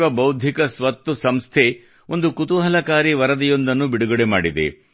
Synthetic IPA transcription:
ʋɐbɐwd̪ʱikɐsʋɐt̪ːusɐmst̪ʰe | o̞nd̪ukut̪uɦɐlɐkaːɾiʋɐɾɐd̪ɛjond̪ɐnːubiɽuɡɐɽemaːɽid̪ḛ

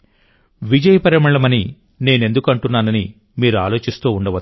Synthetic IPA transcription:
ʋid͡ʒɐjɐpɐɾɐmɐɭɐmɐni | ne̞ːne̞nd̪ukɐɳʈunːaːnɐni | miːɾuaːlo̞ːt͡ʃist̪uːuɳɖɐʋɐ

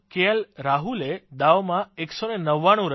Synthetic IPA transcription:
keəlɾaɦuled̪aʋmãeksonenəʋːaɽ̃ũɾə

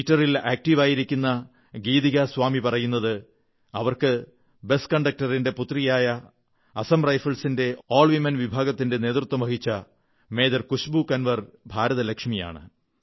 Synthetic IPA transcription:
itːɐrilaːk̚ʈiʋaːjiɾikʲːunːɐ | ɡiːðiɣɐsʋaːmipɐrɐjunːɐðɨ | ɐʋɐrkɨ | be̞skɐɳɖɐk̚tɐrinde̞put̪rijaːjɐː | sɐmrɐjfɐlsinde̞oːɭʋimenʋibʱaːɡɐt̪ːinde̞ne̞ːt̪rut̪ːwɐmɐɦit͡ɕːɐ | me̞ːd̪ɐrkuɕbukɐnʋɐrbʱaːɾɐðɐlɐkʂmija̰ːɳɨ̰

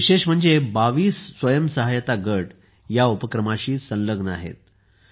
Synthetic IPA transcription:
ʋiɕeʂm̤əɳd͡zebaʋiːsːʋəjəmsəɦajət̪aɡəʈ | jaupəkɾəmaɕiːsə̃nləɡʱna̰ɦḛt̪̚

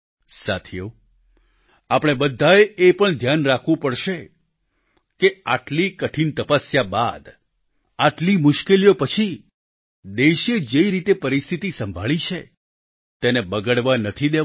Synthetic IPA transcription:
sa̰t̪ʰijo | apɽ̃ebəd̪ʱːaeepəɳd̪ʱjanɾakʰʋũpəɽʃe | keaʈlikəʈʰint̪əpəsjaba̰d̪ | aʈlimʊʃkelijopət͡ʃʰi | d̪eʃed͡ʒeiɾit̪epəɾist̪ʰit̪isəmbʱaɭit͡ʃʰe | t̪enebəɡəɽʋanət̪ʰid̪e

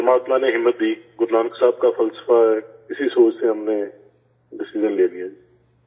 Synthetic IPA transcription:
t̪əmaːt̪maneɦɪmːət̪̚d̪iːɡʊɾnaːnksaːb̚kafʰəlsə̥faɛːkɪsisoːt͡ʃseɦɐmnẽ | ɖɪsɪd͡ʒənleːd̪ijaːd͡ʒiː

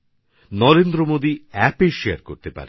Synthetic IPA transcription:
nɔɾend̪ɾomod̪iɛpeʃeaɾkoɾt̪epa̰ɾe

